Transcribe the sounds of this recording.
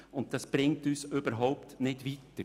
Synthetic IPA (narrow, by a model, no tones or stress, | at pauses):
ʊnt̚tɑsb̥ɾɪŋtyːsøb̥əɾɦɔʊptnɪdʋitːə